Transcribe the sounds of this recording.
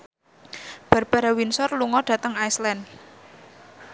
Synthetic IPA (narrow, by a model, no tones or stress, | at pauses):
b̥a̤rb̥a̤ɾawinsɔrluŋɔɖ̥ä̤t̪əŋajslɛn